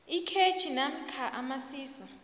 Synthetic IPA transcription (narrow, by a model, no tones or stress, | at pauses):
ikʰet͡ʃʰinam̩kʰaʔamasiːsɔ